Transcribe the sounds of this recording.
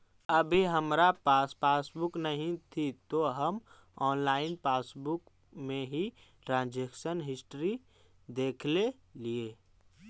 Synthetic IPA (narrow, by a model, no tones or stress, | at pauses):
əbʱiɦəmɾapaspaːsbʊknəɦĩt̪ʰit̪oɦəm | ɔːnlaːɪnpaːsbʊk | mẽɦiʈɾãːnd͡ʒekʃənɦɪsʈɾi | d̪eːkʰle | lieː